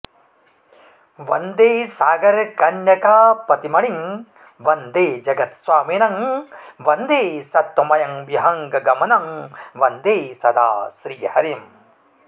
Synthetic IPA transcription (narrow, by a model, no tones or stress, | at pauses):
ʋɐnd̪eːsaːɡɐɾkɐnjɐkaːpɐt̪imɐɭiŋ | ʋɐnd̪eːd͡ʒɐɡɐt̪sʋaːmiːnɐŋʋɐnd̪eːsɐt̪wɐmɐjɐŋʋjiɦɐŋɡɐɡɐmɐnɐŋʋɐnd̪eːsɐd̪a̰ːsɾiːhɐɾijɐm